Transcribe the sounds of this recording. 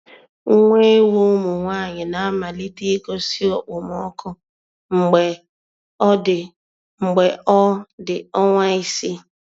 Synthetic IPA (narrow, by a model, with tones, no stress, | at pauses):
ŋ̩˦ŋʷe˦e˦wo˦mu˨ŋʷaː˦˨ɲɪ˨na˨a˦ma˨li˦ti˦ko˦si˦ɔ˨k͡pʊ˨mɔ˦kʰɔ˦ | ŋ͡m̩˨ɡ͡be˨ | ɔ˦dɪ˨ | ŋ͡m̩˨ɡ͡be˨ɔ˦dɪ˨ɔ˦ŋʷa˦i˦si˦